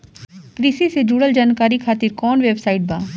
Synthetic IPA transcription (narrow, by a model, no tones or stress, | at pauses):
kɾisised͡ʒuːɽəld͡ʒaːnkaːɾikʰaːt̪iɾkɔːnʋeːbsaːɪʈ̚baː